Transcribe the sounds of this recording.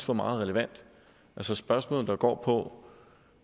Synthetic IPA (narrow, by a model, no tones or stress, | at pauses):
sfɒmɑ̈ːð̞̩ˠʁɛləʋæn̰d̥ | ʔælsəsb̥ɶɐsmɔ̰ːl̩ˠd̥ɑɡ̥ɒ̰ːpʰɒ̽